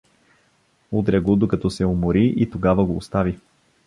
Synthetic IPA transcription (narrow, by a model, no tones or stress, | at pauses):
ut̪ɾʲɛɡod̪okɐt̪ɔsɛomoɾiʔit̪oɡavəɡoːst̪avi